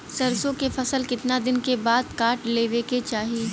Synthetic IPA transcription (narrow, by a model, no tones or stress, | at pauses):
sɐɾsõkefɐsəlkɪt̪nad̪ɪnkebaːd̪̚kaːʈleːʋeːket͡ʃaːɦiiː